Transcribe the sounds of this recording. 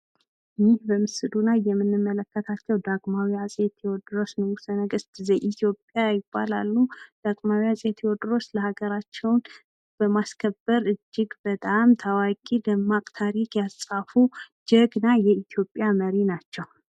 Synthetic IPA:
ʔɨnːihbəmɨsɨd̪unajːɛmːɨnːɨmːələkːət̪ʰat͡ʃːɛwd̪aɡʼmawijasʼet̪ʰɛwɔd̪ɨɾo̞snɨwusənəɡɨst̪ʼzejʔit̪ʰjo̞pʼjajɪb̥ːala̰lːud̪̥aɡʼmawiasʼet̪ʰjwɔd̪ɾo̞sləhaɡəɾat͡ʃːɛwn | b̥əmaskʰəbːəɾɨd͡ʒːɪɡbət̪ʼamt̪ʰawakʼid̪əmːakʼt̪ʰaɾikjasʼafud͡ʒəɡnajɛit̪ʰjo̞pʼjaməɾinat͡ʃːɛw

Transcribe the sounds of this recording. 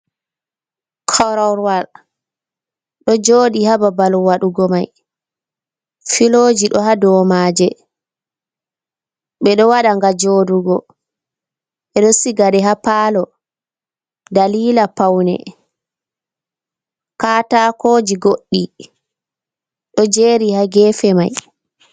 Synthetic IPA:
kʰɔɾɔɾwal | ɗɔd͡ʒoːɗihababalwaɗuɡɔmaj | filoːd͡ʒiɗɔɦadɔmaːd͡ʒɛ | ɓɛɗɔwaɗaŋɡad͡ʒoːduɡɔ | ɓɛɗɔsiɡaɗɛɦapaːlɔ | daliːlapawnɛ̰ | kaːtakoːd͡ʒiɡoɗːi | ɗɔd͡ʒeɾihaɡɛːfɛmaj

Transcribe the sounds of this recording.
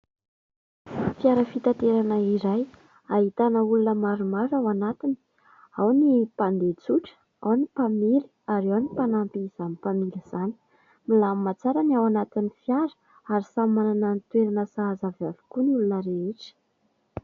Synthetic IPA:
fiaɾəfit̪at̪eɾanəiɾaj | aɦit̪anəulunəmaɾumaɾawanat̪ini̥ | awnipand̪et͡suʈ͡ʂə̥ | a̰wnipamili̥aɾewnipanampiz̥anipamiŋɡiz̥ani̥ | milammat͡saɾaniawanat̪inifjaɾə̥ | aɾisammːanananit̪weɾanəsaazavjavi̥kuniulunəɾeeʈ͡ʂə̥

